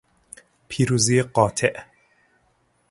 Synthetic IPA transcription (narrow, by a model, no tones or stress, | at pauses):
pʰiːɾuːzijeqɔːt̪ʰeʔ